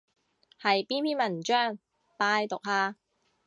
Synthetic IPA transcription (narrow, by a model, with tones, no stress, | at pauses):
hɐ˨jpiː˥npiː˥nmɐ˨˩nt͡ʃœː˥˩ŋ | paː˧jt̪ʊ˨k̚haː˧